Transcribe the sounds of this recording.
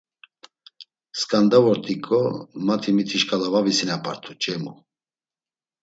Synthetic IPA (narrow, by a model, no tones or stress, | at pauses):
skʼand̪avɔɾt̪ʼikʼɔmat̪ʰimit̪ʰiʃkʼalavavisinapʼaɾt̪ʰut͡ʃʼɛmṵ